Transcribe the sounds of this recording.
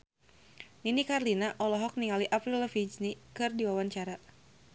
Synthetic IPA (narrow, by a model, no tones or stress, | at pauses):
ninikarlinaʔɔlɔɦɔk̚niŋaliʔapɾiləfid͡ʒnikɨrdiwawant͡ʃaɾa